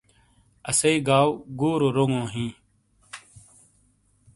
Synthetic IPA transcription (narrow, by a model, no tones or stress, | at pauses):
əseiːɡaːwɡuːɾoːɾoŋõːɦĩː